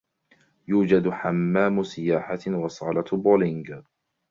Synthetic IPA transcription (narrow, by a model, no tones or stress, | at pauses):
juːd͡ʒad̪ħamːaːmʊsɪjaːħawɑsˤɑ̰ːlat̪boːlɪŋɡ